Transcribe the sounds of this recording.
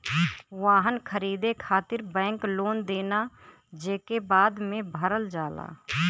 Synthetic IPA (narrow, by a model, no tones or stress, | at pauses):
ʋaːɦənkʰəɾiːd̪ekʰaːt̪ɪɾbɛ̃ːŋkloːnd̪eːna | d͡ʒeːkebaːd̪mẽbʱəɾəld͡ʒaːla̰ː